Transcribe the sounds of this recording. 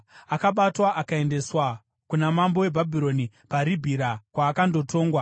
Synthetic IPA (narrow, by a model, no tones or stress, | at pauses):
akaɓatwaʔakae̞nde̞swa | kunamambo̞we̞bʱabʱiɾo̞ni | paɾibʱiɾakwaːkando̞to̞ːŋɡwa